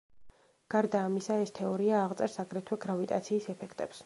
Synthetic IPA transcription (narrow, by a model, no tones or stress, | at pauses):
ɡ̥aɾd̪aːmisaɛst̪ʰɛɔɾiaːʁt̪sʼɛɾsaɡɾɛt̪ʰwɛɡɾavit̪ʼa̰t̪sʰiːsɛpʰɛkʰt̪ʼɛps